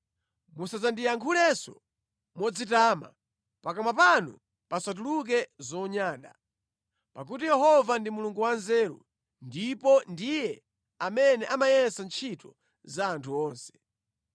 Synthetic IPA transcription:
musazandijaŋkʰulɛsɔ̰ | mɔd͡zitaːma̰ | pakamapanṵ | pasat̬uluk̬ɛzɔɲaːɗa̰ | pak̬ut̬ijɛɦɔvandimuluŋɡuwanzɛːɾṵ | ndipɔndijɛ | amɛnɛʔamajɛnsant͡ʃʰitɔ | zaːntʰuɔːnsɛ̥

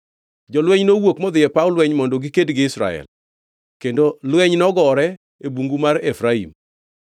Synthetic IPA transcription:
d͡ʒɔlwɛɲnowokmɔd̪ɪjɛpaʊlwɛɲmɔndoɡɪkedɡɪɪsɾa̰ɛ̰l | kendolwɛɲnɔɡɔɾɛ | ebuŋɡumaɾefɾaḭm

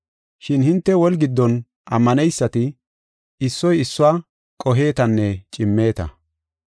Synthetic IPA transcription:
ʃɪnhɪnt̪ːɛwɔlɡɪd̪ːɔn | ʔɐmːɐnɛjsːɐt̪ɪ | ɪsːɔjɪsːʊaː | kʼɔɦe̞ːt̪ɐnːɛt͡ʃʼɪmːe̞ːt̪ɐ̰

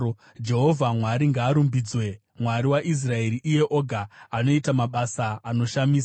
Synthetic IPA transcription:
d͡ʒe̞ɦo̞vʱamwaɾiŋɡaːɾumbiːd͡zwe̞ | mwaɾiwaʔis̬rae̞ɾiʔije̞ʔo̞ɡʱaːno̞itamaɓasaːno̞ʃamiːsa

